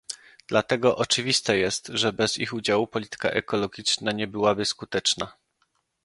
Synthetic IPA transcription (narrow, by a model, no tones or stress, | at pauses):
d̪̥lat̪ɛɡɔʔɔt͡ʂɘvʲist̪ɛjɛst̪ʐɛbɛzixud͡ʑawupɔlʲit̪ɘ̥ka̰ʔɛkɔlɔɡʲit͡ʂnaɲɛbɘwabɘskut̪ɛt͡ʂna